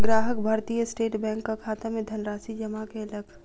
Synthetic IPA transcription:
ɡɾaːɦəkbʱaːɾt̪ijəsʈeːʈbɛ̃ːŋkːakʰaːt̪amẽd̪ʱənɾaːsid͡ʒɐmakeɐləɡʰ

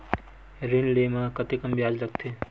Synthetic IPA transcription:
ɾinlemãkət̪ekəmbjad͡ʒɾəkʰt̪ʰe

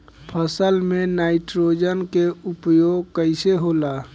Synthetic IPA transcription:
pʰəsəlmenaːɪʈɾod͡ʒənkeupjoːɡkəɪseɦola

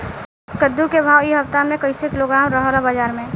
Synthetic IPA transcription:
kəd̪ːukebʱaːwiɦəft̪amẽkəɪsekɪloɡɾaːmɾəɦoɾabaːd͡ʒaːɾmẽ

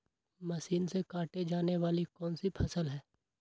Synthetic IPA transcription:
mɐʃiːnsekaːʈed͡ʒaːneʋaːlikɔːnsipʰɐsəlɦɛː

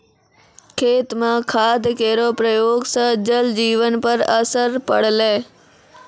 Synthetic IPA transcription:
kʰeːt̪mãːkʰaːd̪ʱkeːɾoːpɾəjoːɡsãd͡ʑəld͡ʑiːʋənpəɾəsəɾpə̰ɽ̤leː

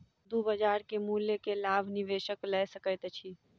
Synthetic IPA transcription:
d̪ubəd͡ʒaːɾkemuːljekelaːbʱnɪʋeːʃəklɛːsəkəjt̪t͡ʃʰiː

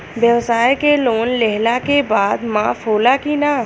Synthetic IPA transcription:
bjəʋsaːjkeloːnlɛɦlakebaːd̪maːfɦoːlakina

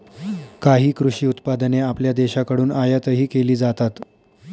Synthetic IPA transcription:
kaɦiːkɾuɕiːut̪pad̪əneapljad̪eɕakəɽuːnajat̪əɦiːkeliːd͡zat̪at̪

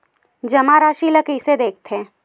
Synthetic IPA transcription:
d͡ʒɐmaɾaːʃiləkised̪eːk̚t̪ʰẽː

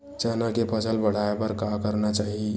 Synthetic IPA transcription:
d͡ʒanakepʰəsəlbəɽ̤aepəɾkakəɾnat͡ʃaɦi

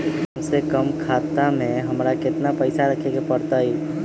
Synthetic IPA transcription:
ɦəmsekəmkʰat̪amẽɦəmɾakɪt̪napəɪsaɾəkʰekepəɽt̪ai

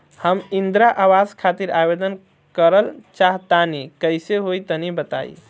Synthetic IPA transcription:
həmind̪ɾaʔawad͡ʒkʰat̪iɾabed̪ən | kəɾəlt͡ʃaɦt̪anikəjseɦojt̪ənibət̪a̰j̰

